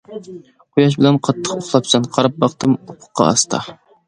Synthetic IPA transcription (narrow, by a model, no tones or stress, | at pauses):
qʰojɑʃ̬bɪlɛnqʰɑt̪ʰːəqoχlˠɑp̚t͡ʃʰɑnqʰɑɾɑp̚bɑqt̪ɨmopʰʊ̥qːɑ̰ɑ̰st̪ʰɑ̰